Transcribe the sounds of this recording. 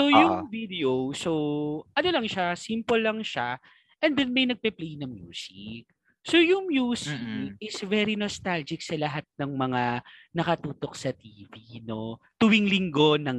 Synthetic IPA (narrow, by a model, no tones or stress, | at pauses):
sojʊŋvid̪ɛowsoʔɐno̞lɐŋʃasimpolːɐŋʃa | ʔɛnd̪ɛnmɐjnɐɡ̚pɛplɛjnɐŋmjṵːsɪk̚ | sojʊŋmjuːsɪkɪsvɛɾinost̪ald͡ʒɪksɐlɐɦat̪̚nɐŋmɐŋanɐkɐt̪uːt̪o̞k̚sɐt̪iːvino̞t̪ʊwiŋlɪŋɡo̞nɐŋ